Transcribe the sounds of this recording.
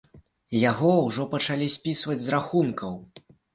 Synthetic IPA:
jaɣɔwʐɔpɐt͡ʂalʲisʲpʲisvɐd͡zʲzɾaxunkɐw

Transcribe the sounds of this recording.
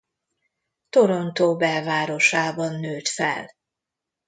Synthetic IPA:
t̪oɾo̞nt̪oːbɛlvaːɾo̞ʃaːbɒnːøːt̪fɛ̰l

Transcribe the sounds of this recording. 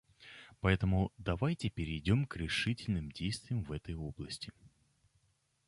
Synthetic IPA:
pɐɛt̪əmʊd̪ɐvajtʲɪpʲɪɾʲɪːdʲo̞mkɾʲɪʂɨtʲɪlʲnɨmdʲejst̪vʲɪjəmvɛt̪əjo̞blˠəsʲtʲɪ

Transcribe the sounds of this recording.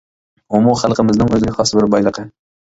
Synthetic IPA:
omuχalˠqʰəmɪznɪŋɵzɪɡʲaχɒsbɪɾbɒjlˠɨqə

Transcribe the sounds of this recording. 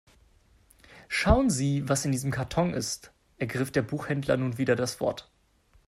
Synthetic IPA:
ʃaʊənziːvasɪndiːzəmkʰaɐtʰɔŋʔɪ̰st | ʔɛɐɡʁɪfd̥eːɐbuːxhɛndlɐ̰nuːnviːdɐdasv̥ɔ̰ɐt

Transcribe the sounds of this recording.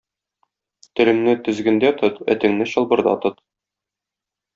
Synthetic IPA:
t̪ɘ̆lɘ̆ŋnɘt̪ɵ̆zɡɘ̆nd̪æt̪ʰɤt̪æ̰t̪ɘ̆ŋnɘɕɤ̆lˠbɤ̆ɾd̪ɑ̰t̪ɤt̪

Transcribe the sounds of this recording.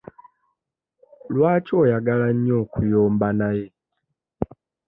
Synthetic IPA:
lwaːco̞ːjaɡalaɲːo̞ːkujoːmbanaje̞

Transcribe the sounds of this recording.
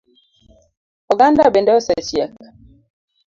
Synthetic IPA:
ɔɡandabɛndɛɔsɛt͡ʃjɛk

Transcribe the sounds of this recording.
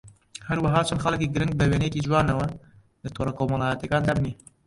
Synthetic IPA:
hɐɾwɐɦɑːt͡ʃʰɐnxɐlkiːɡɨɾɪŋɡ̚bəweːnejkiːd͡ʒwɑːnɐwɐ | lɨt̪ʰoːɾˤɑkoːmɐlɑːjɐt̪jɐkɑːnd̪ɑbniː

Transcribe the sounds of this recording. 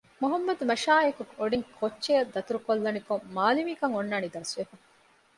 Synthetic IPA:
muɦɐmːɐd̪umɐʃaːekukoɖiŋkʰot͡ʃːt͡ʃːejɐd̪ːɐt̪uɾukolːɐnikoŋmaːlimiːkɐŋonːaːnid̪ɐsʋefɐ

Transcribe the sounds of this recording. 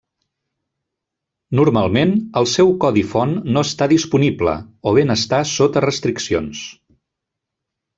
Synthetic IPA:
nuɾmalˠmenəlˠsɛwkɔðifɔnːoəst̪aðispuniblə̰oβenəst̪asot̪ərəst̪ɾiksions

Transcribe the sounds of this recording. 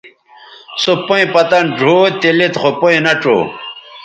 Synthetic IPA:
sopoĩpɐt̪ɐnɖʱoːt̪ilit̪χopoĩnɐʈ͡ʂo̰

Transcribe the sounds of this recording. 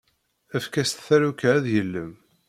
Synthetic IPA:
æfkæst̪θæɾukææðjəlːəm

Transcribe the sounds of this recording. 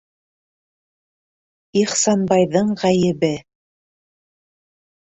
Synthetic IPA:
iχsɑnbɑjðɤɴʁæjɘ̆βɘ

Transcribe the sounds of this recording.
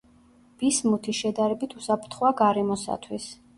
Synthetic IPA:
b̥ismut̪ʰiʃɛd̪aɾɛbit̪ʰusapʰɾt̪ʰχwaɡaɾɛmɔsa̰t̪ʰwis

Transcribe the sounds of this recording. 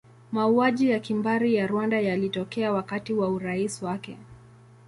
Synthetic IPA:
mauaʄijakimbaɾijaɾwandajalitɔkɛawakatiwauɾaiswakɛ

